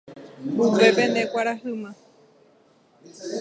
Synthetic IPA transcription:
bukepẽnd̪ekʷaɾaɦɨmã

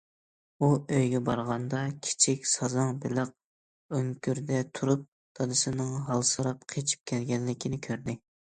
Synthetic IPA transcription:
uøjɡʲɛbɑɾʁɑnd̪ɑkʲʰi̥t͡ʃʰikʲsɑzɑŋbɪləq̚ | øŋkʲyɾd̪ɛt̪ʰuɾup̚ | d̪̥ɑd̪ɨsɨnɨŋɦɑlˠsɨɾɑp̚qʰet͡ʃʰi̥p̚kʲʰɛlɡʲɛnlːɪkʲʰinɪkʲʰøɾd̪ɪ

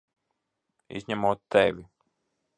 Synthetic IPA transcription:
ḭzʲɲæmoːt̪ːɛvʲi

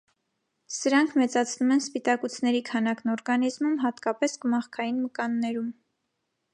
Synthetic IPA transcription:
səɾɑŋkʰmɛt͡sɑt͡sʰnumɛnspit̪ɑkut͡sʰnɛɾikʰɑnɑknɔɾɡɑnizmumɦɑt̪kɑpɛskəmɑχkʰɑjinməkɑnːɛɾum

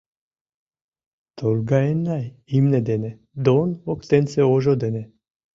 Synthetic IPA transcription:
t̪olɡaɛnajimnɛd̪enɛ | d̪onokt̪ensɛoʒod̪enɛ

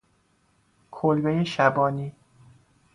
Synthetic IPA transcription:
kʰolbejeʃæbɒːniː

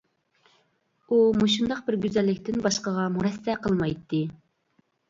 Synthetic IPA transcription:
umuʃ̬und̪ɑqbɪɾɡʲyzɛlːɪk̚ʲt̪ɪnbɑʃqəʁɑmuɾɛsːɛqʰəlˠmɑjt̪ʰːɨ

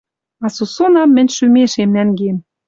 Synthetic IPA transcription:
ɑsusonɑmːɘ̆nʲʃymeʃemnæŋɡem

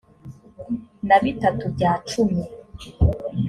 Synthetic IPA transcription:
naβitatubɟaːt͡ʃumi

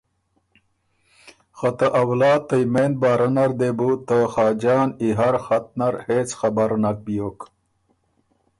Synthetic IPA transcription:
xɐt̪əʔawlaːt̪ɐjmend̪̚baːɾɐnɐɾd̪ebut̪əxaːd͡ʑaːniɦaɾxat̪̚naɾheːt͡sxɐbaɾnak̚bijoːk

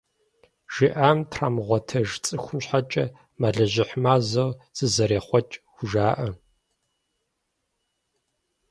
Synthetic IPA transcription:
ʒ̥iʔaːmtʰraːmʁʷɔtʰɐʒt͡sʼɨxʷʊmɕħat͡ʃʼɐ | maɮɐʑɪħmaːzɐwz̥ɨzɐɾeːχʷɔt͡ʃʼɡʷʊʒaːʔɐ

